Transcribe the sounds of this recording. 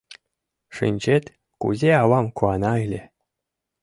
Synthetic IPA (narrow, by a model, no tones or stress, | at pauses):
ʂɨ̰nʲd͡ʑet̪ʲ | kṵzʲeɑβɑmkuɑnɑelʲe